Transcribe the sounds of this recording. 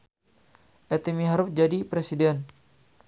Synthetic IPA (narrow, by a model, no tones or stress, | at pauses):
ʔɛt̪emiɦaɾʊfd͡ʒadipɾesidɛn